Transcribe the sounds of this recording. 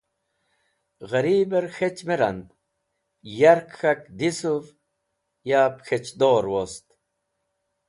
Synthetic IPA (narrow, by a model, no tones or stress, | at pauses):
ɣɐɾibeɾxet͡ɕmeɾɐ̰nd̪ | jaɾkxɐkd̪isuv | jaːpxet͡ɕd̪oːɾwost̪